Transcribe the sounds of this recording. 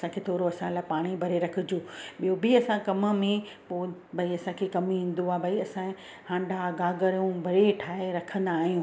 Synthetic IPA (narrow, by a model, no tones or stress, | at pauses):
ɐsãkʰet̪ʰoːɾoɐsãlaːpaːɽ̃ibʱɐɾeɾɐkʰɪ̆d͡ʑoːɓijobɪɐsãkɐmə̆mẽ | poːbʱɐiɐsãkʰekɐmĩːn̆d̪oaːbʱɐiɐsã | hãːɳɖʱaɡaːɡəɾjũbʱɐɾeʈʰaːeɾɐkʰə̃nd̪aːɦijũː